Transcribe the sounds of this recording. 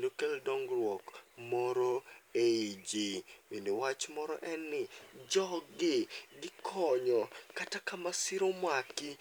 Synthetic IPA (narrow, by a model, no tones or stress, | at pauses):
ndokɛldɔŋɡɾwɔkmɔɾoeid͡ʒiwindowat͡ʃmɔɾɔ̰ʔɛnːɪd͡ʒɔɡɪɡɪkʰɔɲɔkatakamasɪɾomwakɪ